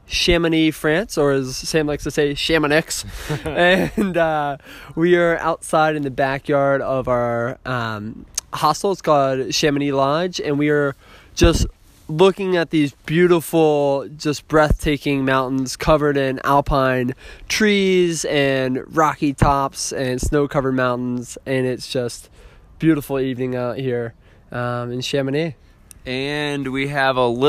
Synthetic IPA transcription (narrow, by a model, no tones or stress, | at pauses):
ʃæmɨnifɹæ̃nsə˞ɨzsẽɪ̃mlaɪksaɪseɪʃæ̃mənɪksɨ̃nʌwiə˞ʔa̰ʊtsaɪɾɨ̃nðɨbækjɑɹɾʌvaʊə˞ʔʌ̃mhɑstl̩ˠz̥kʰɔlˠd̥ʃæ̃mɨnilɑd͡ʒɨ̃nwiə˞ | d̥ʒ̥ʌst | lʊkɪ̃ŋɨt̪̚ðizbjʉɾəfl̩ˠd͡ʒʌsb̥ɹɛθtʰeɪkɪ̃ŋmãʊ̃ʔn̩z̥kʰʌvə˞ɾɪ̃næ̰lˠpʰãɪ̃ntʰɹ̥izɨ̃nɹɑkitʰɑpsɨ̃nsnoʊkʰʌvə˞d̚mãʊ̃nʔn̩zɨ̃nɪtsd̥ʒ̥ʌst̚ | b̥jʉɾəfl̩ˠivnɪ̃ŋaʊt̚hiɹ | ʔʌ̃mɨ̃nʃæmɨni | ɨ̃nwiəvəlɪ